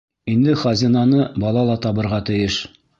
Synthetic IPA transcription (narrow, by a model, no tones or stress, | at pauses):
ind̪ɘχɑzʲinɑnɤbɒlˠɑlˠɑt̪ɒβɤ̆ɾʁɑt̪ɘ̆jɘʃ